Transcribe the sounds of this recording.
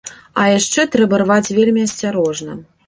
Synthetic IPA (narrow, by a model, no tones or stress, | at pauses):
ɐjaʂt͡ʂɛt̪ɾɛbɐrvat͡sʲvʲelʲmʲiɐsʲt͡sʲaɾɔʐnɐ̰